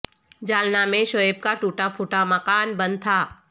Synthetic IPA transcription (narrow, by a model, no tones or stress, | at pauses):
d͡ʒaːlnamẽʃɔeb̚kaʈuːʈapʰuʈaməkaːnbə̃nd̪̚t̪ʰaː